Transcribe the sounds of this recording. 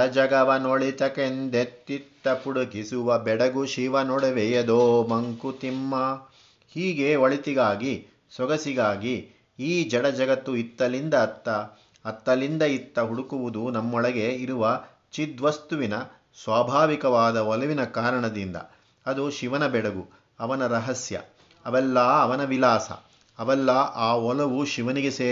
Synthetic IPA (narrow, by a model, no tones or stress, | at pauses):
ɐd͡ʒɐɡɐʋɐnoɭit̪ɐkend̪et̪ːit̪ːɐpuɽuɡisuʋɐbɛɽɐɡuʃiʋɐnoɽɐʋejɐd̪oːmɐŋkut̪imːɐ | hiːɡe̞oɭit̪iɡaːɡi | sʋɐɡɐsiɡaːɡi | iːd͡ʒɐɽɐd͡ʒɐɡɐt̪ːuit̪ːɐlind̪ɐt̪ːɐː | t̪ːɐlind̪ɐit̪ːɐɦuɽukuʋud̪unɐmːɔɭɐɡe̞iɾuʋɐ | t͡ʃid̪ʋɐst̪uʋinɐ | sʋaːbʱaːʋikɐʋaːd̪ɐɔlɐʋinɐkaːɾɐɳɐd̪ind̪ɐ̰ | ɐd̪uʃiʋɐnɐbɛɽɐɡu | ɐʋɐnɐɾɐɦɐsjɐ̰ | ɐʋɛlːɐɐʋɐnɐʋilaːsɐ̰ | ɐʋɛlːɐʔaːɔlɐʋuʃiʋɐniɡeseː